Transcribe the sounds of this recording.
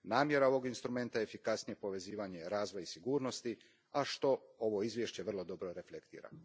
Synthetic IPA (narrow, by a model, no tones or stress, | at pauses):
naːmje̞ɾao̞ʋo̞ɡinst̪ɾume̞nt̪ajeefikasnije̞po̞ʋe̞ziːʋaɲe̞ɾaːzʋojisiɡuːɾno̞st̪i | aʃt̪o̞o̞ʋo̞izʋje̞ʃt͡ɕe̞ʋr̩lˠo̞d̪o̞bɾo̞ɾe̞flekt̪ḭːɾa̰